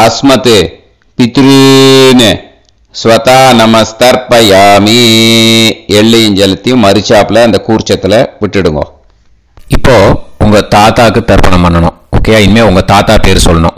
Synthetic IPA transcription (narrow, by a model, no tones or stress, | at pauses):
ɐsmɐt̪ɯ | pɪt̪ɾinɯ | sʋɐt̪aːnɐmɐst̪ɐɾpɐjaːmi | ɛɭːiɛɲd͡ʒɛlɐt̪ːijʊ̃mɐɾɯt͡ʃːaːpɪlɐɐnd̪ɐkuːɾt͡ʃːɐt̪ːɪlɐʋɪʈːɯɽɯŋɡõ̰ː | ɪpːoːʊŋɡɐt̪aːt̪aːkːɯt̪ɐɾpɐnɐmpɐɳːɐɳʊ̃ | o̰ːkeːjaːɪnmeːʊŋɡɐt̪aːt̪aːpeːɾsɔlːɐnʊ̰̃ː